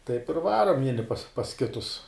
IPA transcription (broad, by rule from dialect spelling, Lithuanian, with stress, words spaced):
tɐɪp ɪr ˈʋɑːroːm ˈʋʲiɛnʲɪ pɐs pɐs ˈkʲɪtʊs